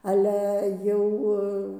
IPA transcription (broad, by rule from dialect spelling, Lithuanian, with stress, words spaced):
ˈɑːlʲɛ ˈjɛʊ